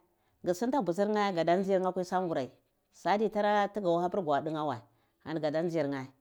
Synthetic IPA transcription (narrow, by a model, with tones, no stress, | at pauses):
ɡi˨si˦n˦ta˦bu˨s̬i˦ɾŋa˦ɡa˨da˦n˦zi˦i˦ŋa˦kʷi˦sa˦ŋɡu˨ɾa˨i˨ | sa˦di˦˨ta˦ɾa˦ti˦ɡa˨wa˦ha˦pi˦ɾɡʷa˨di˦ŋa˦wa˨ | a̰˨n˨ɡa˨da˦n˦i˨ɾŋa˨